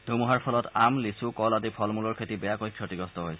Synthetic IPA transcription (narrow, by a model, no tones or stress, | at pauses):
dʱumuɦaɹpʰɔlɔtamlisukɔladipʰɔlmulɔɹkʰetibɛjakojkʰɹɔtiɡɹɔstɔɦojs